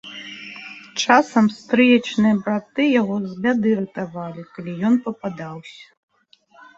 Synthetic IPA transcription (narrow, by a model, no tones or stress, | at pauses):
t͡ʂasɐmst̪ɾɨjɐt͡ʂnɨjɐbɾat̪ɨjaɣɔzbʲad̪ɨɾɨt̪avalʲikalʲijɔnpɐpad̪awsʲɐ̥